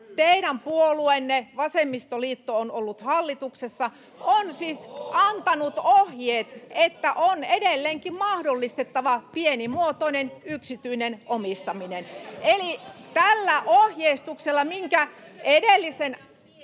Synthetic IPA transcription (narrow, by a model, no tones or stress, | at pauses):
t̪eiɾæmpuoluenːeʋɑsemːist̪oliːt̪ːoonolːut̪hɑlːit̪uksesːɑ | onsiːsɑnt̪ɑnut̪ohjeːt̪et̪ːæʔonedelːeːŋkimmɑhdolːist̪et̪ːɑʋɑpienimuot̪oinenyksit̪yinenʔomist̪ɑminenʔelit̪ælːæʔohjeist̪ukselːɑmiŋkæedelːisen